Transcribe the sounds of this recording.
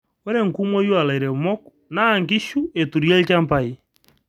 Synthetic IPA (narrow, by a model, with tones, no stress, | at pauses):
o˦ɾe˦ŋ̩˨ku˦mwɔ˦jo˦a˨la˨i˨ɾɛ˨mɔ˦ku | naː˦˨ŋɡi˦ʃu˦e˨tu˨ɾi˦ɛ˦ka˦mpa˦i˦